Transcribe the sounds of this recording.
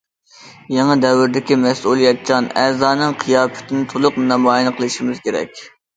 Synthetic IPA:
jeŋɨd̪ɛwɪɾd̪ɪkʲimɛsulˠijɛt̪̚t͡ʃʰɑnɛzɑːnɨŋqʰijɑːfɪ̥t̪ʰɪnɪt̪ʰolˠʊqmɨnɑmɑːjinqʰəlˠɨʃimɪzkʲeɾɛ̰k̚ʲ

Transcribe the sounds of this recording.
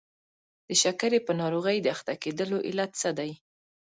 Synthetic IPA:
d̪̥əʃakaɾepənɑɾoɣəjd̪əaxt̪aked̪əloʔɪlat̪səd̪aj

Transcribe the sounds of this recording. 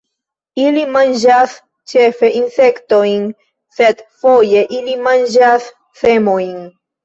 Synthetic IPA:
ilimand͡ʒas | t͡ʃe̞fe̞ʔinse̞ktojn | se̞dfo̞je̞ʔilimand͡ʒas | se̞mo̞jn

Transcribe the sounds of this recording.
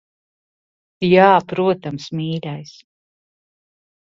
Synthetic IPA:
jaːpɾuɔt̪amsmiːɾajs

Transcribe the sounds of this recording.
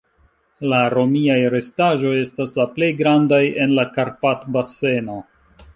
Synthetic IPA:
laɾo̞miajɾe̞staʒo̞je̞staslaple̞jɡɾandaje̞nlakaɾpatbase̞no̞

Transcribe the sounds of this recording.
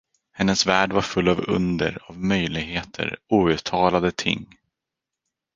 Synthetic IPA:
hɛnːəsvæːɖvaɾfɵlːavɵ̰nd̪əɾavmœjlɪɡheːt̪ʰə̰ɾuːʉ̟ːt̪ʰɑːlad̪ət̪ʰɪ̰ŋː

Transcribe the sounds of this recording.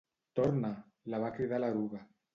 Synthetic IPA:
t̪oɾna | laβakɾiðalaɾuɣa

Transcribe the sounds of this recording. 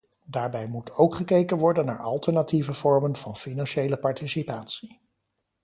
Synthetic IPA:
daːɹbɛjmutʰowkχəkejkənʋɔɹdənːaːɹʔɑ̰lˠtəɹnativəv̥ɔɹmənvɑnfinɑnʃejləpɑɹtisipaːtsi

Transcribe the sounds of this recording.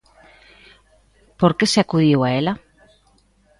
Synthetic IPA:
poɾkeseakuðiwaela

